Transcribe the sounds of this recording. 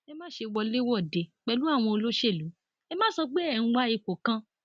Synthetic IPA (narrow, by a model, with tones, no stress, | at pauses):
e˧mãː˦ʃe˧wɔ˧le˦wɔ˦˨de˨k͡pɛ˧˦lu˦a˦˨w̃ɔ̃˧o˧lo˦ʃe˦˨lu˨˦ | ɛ˧mãː˦sɔ˧k͡pe˦ɛ˦˨ñ̩˧ɡ͡ba˦i˧ko˨kã˧